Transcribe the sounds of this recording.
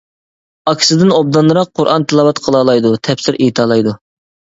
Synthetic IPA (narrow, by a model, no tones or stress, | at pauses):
ɑkʲʰɪ̥sɨd̪ɪnob̚d̪ɑnlːˠɨɾɑq̚qʰːoɾʔɑ̰nt̪ʰɨlˠɑːwɑt̪qʰəlˠɑːlˠɑjd̪ut̪ʰɛpsɪɾʔit̪ʰɑːlˠɑjd̪u